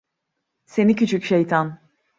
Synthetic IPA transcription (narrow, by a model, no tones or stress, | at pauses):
se̞nicʰyt͡ʃʰycʃejt̪ʰan